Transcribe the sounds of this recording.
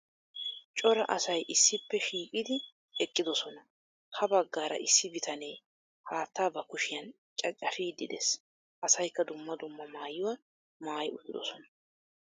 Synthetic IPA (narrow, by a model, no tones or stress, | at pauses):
t͡ʃʼɔɾɐʔɐsɐjʔɪsːɪpːɛʃiːkʼɪd̪ɪ | ɛkʼːɪd̪ɔsɔnɐ | hɐbɐɡːaːɾɐ̰ʔɪsːɪbɪt̪ʰɐneː | haːt̪ːaːbɐkʊʃɪjɐn | t͡ʃʼɐt͡ʃʼːɐfiːd̪ɪd̪ɛs | ʔɐsɐjkːɐd̪ʊmːɐd̪ʊmːɐmaːjːʊwa | maːjʊːɪd̪ɔsɔnɐ̥